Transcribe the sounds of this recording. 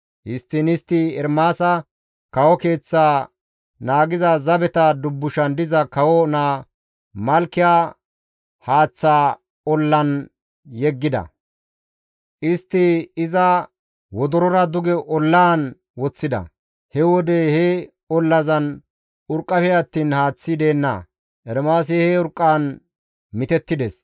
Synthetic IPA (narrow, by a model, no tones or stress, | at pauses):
ʔɪst̪ːɪnɪst̪ːɪɛɾmaːsɐ | kɐwɔke̞ːt͡sːaː | naːɡɪzɐzɐbɛt̪ɐd̪ʊbːʊʃɐnd̪ɪzɐkɐwɔnaː | mɐlkːɪjaː | haːt͡sːaː | ɔlːɐn | jɛɡːɪd̪ɐ̰ | ʔɪst̪ːɪɪzɐ | wɔd̪ɔɾɔɾɐd̪ʊɡɛʔɔlːaːn | wɔt͡sːɪd̪ɐ̰ | hɛwɔd̪ehɛ | ɔlːɐzɐn | ʊɾkʼːɐfɛɐt̪ːiːnhaːt͡sːɪd̪e̞ːnːɐ̰ | ʔɛɾmaːs̬ɪhɛʊɾkʼːaːn | mɪt̪ɛt̪ːɪd̪ɛs